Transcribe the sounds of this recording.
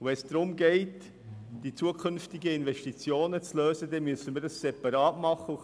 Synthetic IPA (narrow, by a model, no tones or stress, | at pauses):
vɛnsd̥ɾʊmɡɛɪt | d̥it͡suəkʰʏnftɪɡəɪnvɛʃtit͡sjoːnət͡sløːzədɛmyəsənməɾdɑssɛpɑɾɑːtmɑχəu